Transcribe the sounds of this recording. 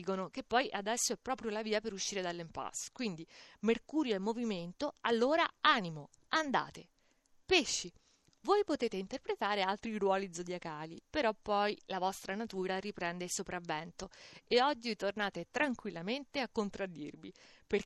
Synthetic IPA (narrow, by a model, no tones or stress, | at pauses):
konok̟epːɔjʔad̪ɛsːoɛpːɾɔːpɾjolaviːapeɾuʃːiːɾed̪alːempa̰skwind̪imerkuːɾjoemːoviment̪oalːoːɾaaːnimo | and̪a̰ːt̪e | peʃːi | vojpot̪eːt̪eint̪erpɾet̪aːɾealt̪ɾiɾwɔːlizod̪jakaːlipeɾɔpːɔjlavɔst̪ɾanat̪uːɾaɾipɾɛnd̪eilsopɾʔavːɛnt̪oeɔd͡ʒːit̪ornaːt̪et̪ɾaŋkwilːament̪eakːont̪ɾad̪ːirviper